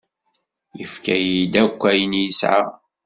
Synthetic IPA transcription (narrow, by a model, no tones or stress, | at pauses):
jəfkæjid̪ækʷːæjənjəsʕa̰